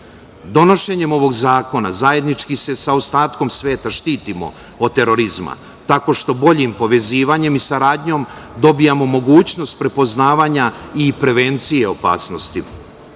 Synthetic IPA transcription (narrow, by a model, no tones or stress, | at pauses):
d̪o̞no̞ʃe̞ɲe̞mo̞ʋo̞ɡzaːko̞na̰zaje̞d̪nit͡ʃkise̞saost̪aːt̪ko̞msʋe̞ːt̪aʃt̪iːt̪imo̞̰ | od̪̚t̪e̞ɾo̞ɾizma̰ | t̪ako̞ʃt̪o̞bo̞ʎimpo̞ʋe̞ziːʋaɲe̞misaɾaːd̪ɲo̞md̪o̞bijamo̞mo̞ɡuːt͡ɕno̞st̪̚pɾe̞po̞znaːʋaɲaipɾe̞ʋe̞nt̪sije̞o̞pa̰ːsno̞st̪i